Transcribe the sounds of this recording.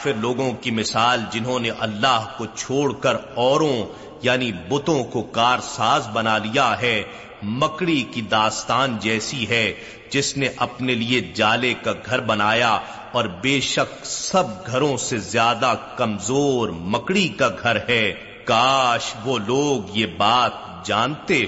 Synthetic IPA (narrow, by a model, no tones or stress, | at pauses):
fɪɾloːɡõkimɪsaːld͡ʒɪnɦõneʔɐlːaːɦkot͡ʃʰoːɽkɐɾɔːɾõ | jaːnibʊt̪õkokaːɾsaːzbɐnalijaɦɛː | mɐkɽikid̪aːst̪aːnd͡ʒɛːsiɦɛ | d͡ʒɪsneʔɐpnelied͡ʒaːlekaɡʱɐɾbɐnaːja | ɔːɾbeːʃɐk̚sɐb̚ɡʱɐɾõsezjaːd̪akɐmzoːɾmɐkɽikaɡʱɐɾɦɛ | kaːʃʋoloːɡjebaːt̪̚ | d͡ʒaːnt̪eː